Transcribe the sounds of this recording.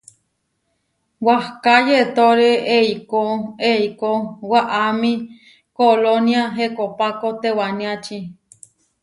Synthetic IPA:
wahkajet̪oɾeeikoeikowaʔamĩ | koloniaɦekopakot̪ewanĩat͡ʃi

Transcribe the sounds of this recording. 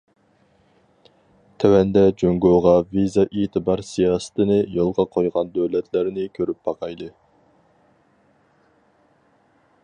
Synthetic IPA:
t̪ʰɛwɛnd̪ɛd͡ʒøŋɡøʁɑvizɑʔit̪ʰɨbɑɾsijɑsɨ̥t̪ʰɨnɨjolˠʁɑqʰojʁɑnd̪øwlɛt̪ʰlæɾnɪkʲʰøɾyp̚bɑqʰɑjd̪ɨ

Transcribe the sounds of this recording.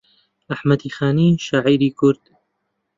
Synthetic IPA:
ʔaħmɐd̪iːxaːniːʃaʕiːɾiːkʰʊɾd̪̥

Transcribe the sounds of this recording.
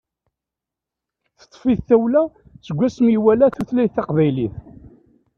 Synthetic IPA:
θə̥t̪ˤːfiðθæwlæ | t͡sːəɡʷːæsmiwælæθuθlæjθɑqvæjliθ

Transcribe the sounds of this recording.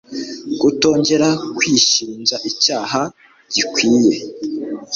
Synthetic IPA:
ɡ̥uto̞ːɲɟe̞ɾakwiʃiːnzaʔicaːɦa | ɟ̥ikwiːje̞

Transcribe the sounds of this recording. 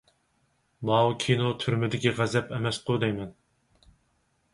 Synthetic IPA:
mɑwkʲʰinot̪ʰyɾmɪd̪ɪkʲiʁæzɛpɛmɛsqʰʊd̪ɛjmɛn

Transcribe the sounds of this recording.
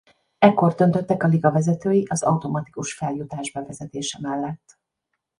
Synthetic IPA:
ɛkːo̞rd̪ø̞nt̪øt̪ːɛkɒliɡɒvɛzɛt̪øːjiʔɒzɒ̰wt̪o̞mɒt̪i̥kuʃfɛljut̪aːʒbɛvɛzɛt̪eːʃɛmɛlːɛt̪ː

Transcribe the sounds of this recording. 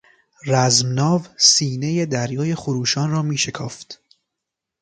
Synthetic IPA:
ræzmnɒːvsiːne̞je̞d̪æɾjɒːje̞xoɾuːʃɒːnrɒːmiːʃe̞kʰɒːft̪

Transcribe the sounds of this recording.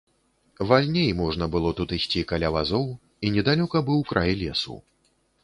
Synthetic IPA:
valʲnʲejmɔʐnɐbɨlˠɔt̪ut̪isʲt͡sʲikalʲavazɔw | inʲɛd̪alʲɔkɐbɨwkɾʔajlʲɛsṵ

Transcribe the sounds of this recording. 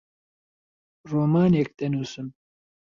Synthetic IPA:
roːmaːnek̚t̪ɐnuːsɨm

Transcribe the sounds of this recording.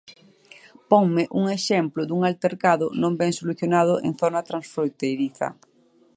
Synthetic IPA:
pɔŋmɪʔuŋeʃɛmplʊd̪uŋalt̪eɾkaðʊnõmbɛŋsoluθjonað̞ʊʔḛŋθonat̪ɾãnsfɾojt̪ejɾiθɐ̰

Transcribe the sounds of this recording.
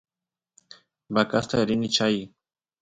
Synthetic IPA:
bakast̪aɾinit͡ʃaj

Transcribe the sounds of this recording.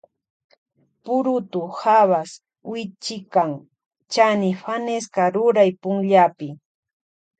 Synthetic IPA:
pʊɾʊt̪ʊhaβas | wɪt͡ʃɪkaŋ | t͡ʃanɪɸaneskaɾʊɾajpʊŋʎapɪ

